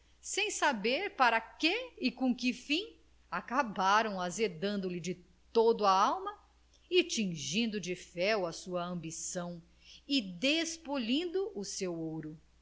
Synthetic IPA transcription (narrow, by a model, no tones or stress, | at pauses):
sẽj̃sabeɾpaɾɐkeɪkõkɪfĩ | akabaɾɐ̃w̃azed̪ɐ̃nd̪ʊlɪd͡ʒɪ | t̪od̪ʊɐawmɐ | ɪt͡ʃĩʒĩnd̪ʊd͡ʒɪfɛwɐsuɐɐ̃mbisɐ̃w̃ | ɪd̪espolĩnd̪ʊʔʊsewowɾʊ